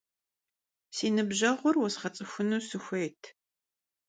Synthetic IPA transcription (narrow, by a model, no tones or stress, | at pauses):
siːnɨbʑɐʁʷʊrwɔsχɐt͡sʼɨxʷʊnuːsɨxʷejtʰ